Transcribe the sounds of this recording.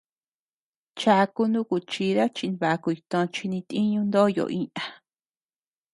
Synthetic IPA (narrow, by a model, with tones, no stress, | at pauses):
t͡ʃa˧ku˧nũ˦ku˧˨t͡ʃi˧ɾa˦t͡ʃi˧n˧βa˨˧ku˧i˧t̪õ˧t͡ʃi˧nĩ˧t̪ĩ˦ɲũ˧nd̪o˦˧jo̰˨ʔĩ˧˦ã˧